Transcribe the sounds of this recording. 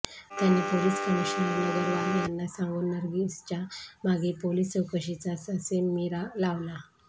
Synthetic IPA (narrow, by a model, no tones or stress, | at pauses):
t̪janipoliskəmiɕnanəɡəɾʋaɾjanːasãŋɡonəɾɡist͡ɕamaɡepolisəwkəɕit͡sasəsemiɾalaʋla